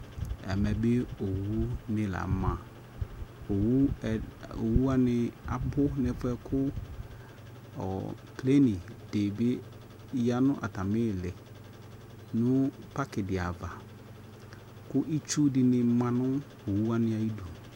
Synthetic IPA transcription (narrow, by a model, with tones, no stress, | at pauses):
ɛ̰˨mɛ˨be˦o˨wu˦nɪ̃˨la̰˨˦mã˨ | o˨wu˦ | o˨wu˦a˦nɪ˨˦a˨bʊ˦nɛ˨fɛ˦kʰʊ˦ | ɔ̰˨ | ple˦nɪ˨de˨bɪ˦ | ja˦nʊ̃˦ʔa̰˨ta˨mɪ˦˨lɪ˨ | nʊ̃˦pa˦kɪ˨dɪ˨a˨va˨ | kʊ˦ʔi˦t͡ʃu˦dɪ˨nɪ˨mã˨nʊ˦ | o˨wu˦a˦nɪ˦a˨i˦du˨